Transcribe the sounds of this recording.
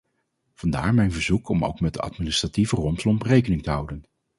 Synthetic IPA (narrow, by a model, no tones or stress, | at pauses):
v̥ɑnda̰ːɹmɛjnvəɹzukʰɔmo̰wkmɛt̚də̰ɑ̰tminɪstrativərɔmpslɔmprejkənɪŋtəɦʌwdən